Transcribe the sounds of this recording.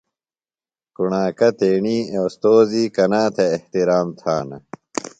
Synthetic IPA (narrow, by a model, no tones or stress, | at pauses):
kuɳaːkɐt̪eːɳiːewst̪oːziːkɐnaːt̪ʰeːht̪iɾaːmt̪ʰaːnɐ̰